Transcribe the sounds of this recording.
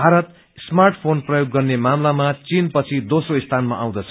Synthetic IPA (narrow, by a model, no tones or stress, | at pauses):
bʱaɾʌt̪ | smarʈʰpʰonprʌjoɡːʌrnemamlamat͡sinpʌt͡sʰid̪osroist̪ʰanmaʔaw̃d̪ʌt͡sʰʌ̥